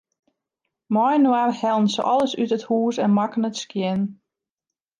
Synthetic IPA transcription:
mɔjnwarhɛlˠn̩sə̰ʔɔlˠəsytəthuːsɛnmakənətskjɪn

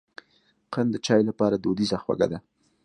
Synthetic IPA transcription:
qənd̪ət͡ʃɑjlapɑɾad̪od̪izaxwa̰ɡa̰d̪a

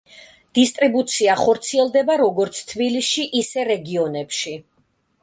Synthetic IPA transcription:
d̪̥ist̪ʼɾibut̪sʰiaχɔɾt̪sʰiɛlˠd̪ɛbaɾɔɡɔɾt̪sʰt̪ʰbilisʃiʔisɛɾɛɡiɔnɛpʃi

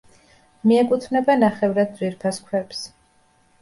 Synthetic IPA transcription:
miɛkʼut̪ʰvnɛbanaχɛvɾad̪̚wiɾpʰaskʰwɛps

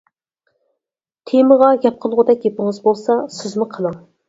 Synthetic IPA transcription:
t̪ʰeməʁɑɡʲɛp̚qʰəlˠʁʊd̪ɛkʲjepɪŋɨzbolˠsɑsɪzmuqʰəlˠəŋ

